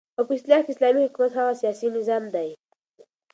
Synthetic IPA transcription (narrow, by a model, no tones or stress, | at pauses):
xopəɪst̪lɑkeɪslɑmihʊkumat̪haɣasijɑsinɪzɑmd̪aj